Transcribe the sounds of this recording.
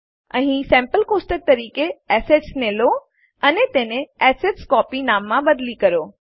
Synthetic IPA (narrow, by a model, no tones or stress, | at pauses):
ɐ̃ɦĩsɛ̃ːmpəlkoːsʈək̚t̪ɐɾiːkeɛːseʈsneːlo | ɐnet̪ẽːnẽɛːseʈskɔːpinaːmːãbɐd̪likɐɾoː